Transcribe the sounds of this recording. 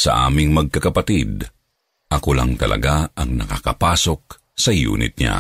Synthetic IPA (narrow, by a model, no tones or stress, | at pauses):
sɐ̰ʔa̰ːmɪŋmɐɡ̚kɐkɐpat̪id̪ | ʔɐkola̰ŋt̪ɐlʔɐ̰ɡaʔɐŋnɐkakɐpaːsok̚ | sɐjṵːnɪ̰t̪̚ɲa̰